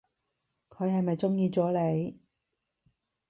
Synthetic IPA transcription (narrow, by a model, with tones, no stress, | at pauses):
kʰɵ˨˧ɥhɐ˨jmɐ˨jt͡sʊ˥ŋjiː˧t͡sɔː˨˥le˨˧j